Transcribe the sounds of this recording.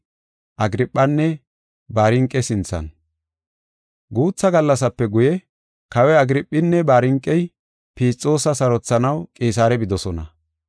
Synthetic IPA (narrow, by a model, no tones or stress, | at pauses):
ʔɐɡɪɾɪpʼːɐnːɛ | baːɾɪŋkʼːɛsɪnt͡sːɐ̰n | ɡuːt͡sːɐɡɐlːɐsɐpːɛɡʊjɛ | kɐwɛɐɡɪɾɪpʼːɪnːɛbaːɾɪŋkʼːɛj | piːt͡sʼːo̞ːsɐsɐɾɔt͡sːɐnɐwkʼeːs̬aːɾɛbɪd̪ɔsɔnɐ̰